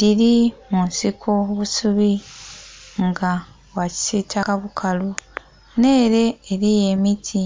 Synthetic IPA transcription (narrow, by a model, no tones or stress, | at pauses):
diɾimuːnsikʰoβusuβi | ŋɡa | waci̥sitʰakaβukʰalu | ne̞ːɾe̞ːɾije̞ːmitʰi